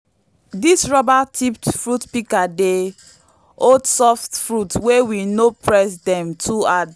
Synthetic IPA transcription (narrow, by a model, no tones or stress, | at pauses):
disɹɔbatʰip̚tfɹutpikade | odsɔftfɹutwewinopʰɹɛsdɛ̃mtʰuad